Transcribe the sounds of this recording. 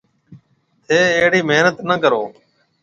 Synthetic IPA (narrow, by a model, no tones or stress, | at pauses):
t̪ʰeːeɦɽiːmeːnət̪nəkəɾo̰ː